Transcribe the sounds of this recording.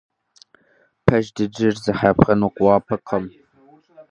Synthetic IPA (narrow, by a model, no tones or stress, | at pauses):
pʰɐʒdɨd͡ʒɪrzɨħapχɐnuːqʷwɑːpʰɐqʰɐm